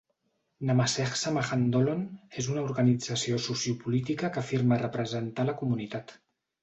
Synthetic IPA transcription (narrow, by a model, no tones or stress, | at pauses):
namasɛxsamaxand̪olonezunauɾɣənid͡zəsiosusiupulit̪̬ikəkəfiɾmərəpɾəzənt̪aləkumunit̪at̪